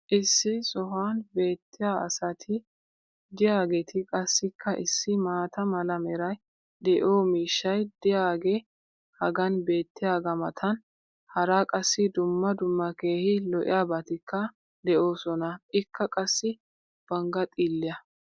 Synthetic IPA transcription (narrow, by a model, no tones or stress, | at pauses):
ʔɪsːɪsɔɦaːnbe̞ːt̪ʰːɪjaːɐ̰sɐt̪ʰɪ | d̪ɪjaːɡet̪ʰɪkʼɐsːɪkʰːɐʔɪsːɪmaːt̪ɐmɐlɐmɛɾɐj | d̪ɛʔo̞ːmiːʃːɐjd̪̥ɪjaːɡe | hɐɡɐnbe̞ːt̪ːɪjaːɡɐmɐt̪ʰɐn | hɐɾaːkʼɐsːɪd̪ʊmːɐd̪ʊmːɐkeːhɪlɔʔɪ̰jaːbɐt̪ɪkʰːɐ | d̪ɛʔo̞ːsɔnɐʔɪkːɐkʼɐsːɪ | b̥ɐŋɡɐt̪ʼiːlːɪjɐ